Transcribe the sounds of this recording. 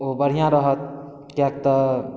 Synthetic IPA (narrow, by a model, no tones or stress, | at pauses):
obəɽ̤ijãɾəɦət̪̚ | kjɛkt̪ə